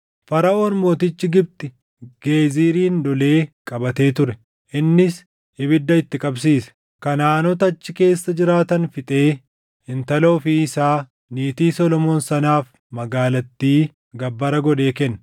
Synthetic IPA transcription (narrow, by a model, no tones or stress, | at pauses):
fɐɾɐʔo̞ːnmo̞ːt̪ɪt͡ʃːɪɡɪb̚t̪ɪ | ɡ̥eːziːɾiːnd̪ɔle̞ːkʼɐbɐt̪e̞ːt̪ʊɾɛ | ʔɪnːɪs | ɪbɪd̪ːɐɪt̪ːɪkʼɐbsiːsɛ̥ | kɐnaːnɔt̪ɐːt͡ʃːɪke̞ːsːɐd͡ʒɪɾaːt̪ɐnfɪt̪ʼe̞ː | hɪnt̪ɐlo̞ːfɪɪsaː | niːt̪iːsɔlɔmo̞ːnsɐnaːf | mɐɡaːlɐt̪ːiː | ɡɐbːɐɾɐɡɔᶑe̞ːkɛnː